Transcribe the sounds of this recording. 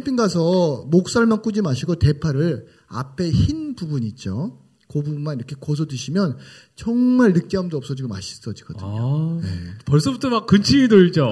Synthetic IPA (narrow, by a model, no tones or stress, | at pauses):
pʰiŋɡasʰʌmok̚s͈aɭmank͈ud͡ʑimaɕʰiɡote̞pʰaɾɯɾ | a̰pʰe̞çinbubuɲit͡ɕ͈o | kobumːaniɾʌkʰe̞kʌsʰʌdɯɕʰimjʌn | t͡ɕʌŋmaɭnɯk̚t͡ɕ͈eɦamdoʌp̚s͈ʌd͡ʑiɡoma̰ɕʰi̥s͈ʌd͡ʑiɡ̥ʌdɯo̰ne̞̰pʌɭs͈ʌbutʰʌmak͈ːɯnt͡ɕʰimidoit͡ɕo